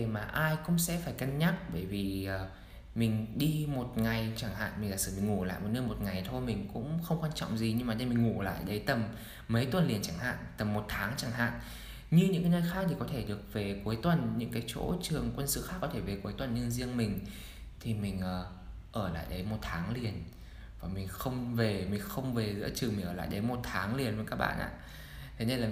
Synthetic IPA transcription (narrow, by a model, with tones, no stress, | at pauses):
maː˨˩ʔaː˧jkʊ̰˧˥ŋ͡msɛ̰˧˥faː˧˩jkaə˧nɲaː˦˥k̚ɓəː˧˩jvi˨˩ʔː | mï˨˩ŋ̟ɗi˧mo˨˩t̚ŋa˨˩jt͡ɕaː˧˩ŋha̰ː˧˨nmi˨˩laː˨˩sɨ̥˧˩mï˨˩ŋ̟ŋu˧˩la̰ː˧˨jmo˨˩t̚nəː˧jmo˨˩t̚ŋa˨˩jt̪ʰo˧jmï˨˩ŋ̟kʊ̰˧˥ŋ͡mxə˧wŋ͡mkwaː˧nt͡ɕɔ̰˧˨wŋ͡mzi˨˩ɲɨ˧ŋmaː˨˩ɗə˧jmi˨˩ŋ̟ŋu˧˩la̰ː˧˨jɗə˨˦jt̪ə˨˩mː | ə˨˦jt̪wə˨˩nli˨˩ənt͡ɕaː˧˩ŋɦa̰ː˧˨nt̪ə˨˩mːo˨˩t̚t̪ʰaː˨˦ŋt͡ɕaː˧˩ŋɦa̰ː˧˨n | ɲɨ˧ɲɨ̰˧˥ŋkaː˨˦jnəː˧˩jxaː˦˥k̚t̪ʰi˨˩kɔ˨˦t̪ʰe˧˩ɗɨ˨˩ək̚ve˨˩ku˨˦jt̪wə˨˩nɲɨ̰˧˥ŋkaː˨˦jt͡ɕo̰˧˥t͡ɕɨ˨˩əŋkwə˧nsɨ̰˧˨xaː˦˥kːɔ˨˦t̪ʰe˧˩ve˨˩ku˨˦jt̪wə˨˩nɲə˧nzi˧ənmï˨˩ŋ̟ | t̪ʰi˨˩mï˨˩ŋ̟ʔəː˨˩ | ʔəː˧˩la̰ː˧˨jɗə˨˦jmo˨˩t̚t̪ʰaː˨˦ŋli˨˩ən | vaː˨˩mï˨˩ŋ̟xə˧wŋ͡mve˨˩mï˨˩ŋ̟xə˧wŋ͡mve˨˩zɨ̰˧˥t͡ɕɨ˨˩mi˨˩ŋ̟əː˧˩l̰a̰ː˧˨jɗə˨˦jmo˨˩t̚t̪ʰaː˨˦ŋli˨˩ənvə˨˦jkaː˦˥k̚ɓa̰ː˧˨nʔa̰ː˧˨ | t̪ʰe˨˦ne˧nlaː˨˩